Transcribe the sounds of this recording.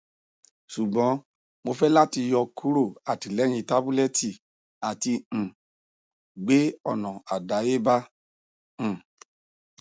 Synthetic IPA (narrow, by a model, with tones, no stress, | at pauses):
su˨ɡ͡bɔ̃˨˦ | mo˧fɛ˦la˦ti˧jɔ˧kʰu˦ɾo˦˨a˨ti˨lɛ˨˦j̃ĩ˧ta˦bu˦lɛ˦ti˦˨ | a˨tĩ˧˨ | ɡ͡be˨˦ɔ˦˨nɔ̃˨a˨da˨˦je˦bã˦˨